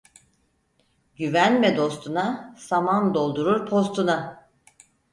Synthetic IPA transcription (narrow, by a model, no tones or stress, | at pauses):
ɟyvænmɛd̪o̞st̪ʰunasamand̪o̞lˠd̪uɾuɾpʰo̞st̪ʰuna